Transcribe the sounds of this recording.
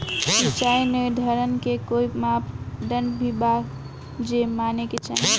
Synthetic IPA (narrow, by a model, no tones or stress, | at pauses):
sit͡ʃainəd̪ʱəɾənkekoimapɖəɳɖbʱibaɡ | d͡ʒemaneket͡ʃaɦ